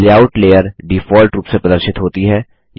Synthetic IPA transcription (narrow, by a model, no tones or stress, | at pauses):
leaːʊʈleːəɾɖifɔːlʈɾuːpsepɾɐd̪əɾʃɪt̪ɦoːt̪iɦɛː